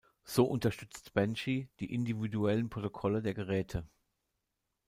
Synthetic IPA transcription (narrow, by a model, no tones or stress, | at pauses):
z̥oːʔʊntɐʃtʏt͡stb̥ɛnʃid̥iːʔɪndividuɛlənpʁ̥otokʰɔlədeːɐɡəʁɛːtʰə